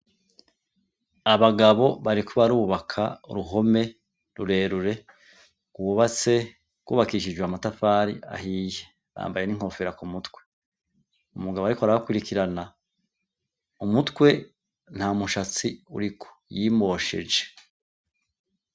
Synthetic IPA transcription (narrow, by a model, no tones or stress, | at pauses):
aβaɡaβo̞βaɾikʰuβaɾuβakʰa̰ṵɾuɦo̞me̞ | ɾuɾe̞ːɾuɾe̞ | ɡ̥uuβat͡se̞ | kuːβakiʃid͡ʒɡweamatafaːɾḭa̰ɦije | βa̰ːmbaje̞niŋ̥ho̞ːfeɾakumutkwe̞̥ | umuɡaβoaɾikoaɾahakwiɾikiɾana | umutwe̞ | n̥hamuʃat͡siṵɾikʰo̥jiːmo̞ːʃe̞̰d͡ʒe̥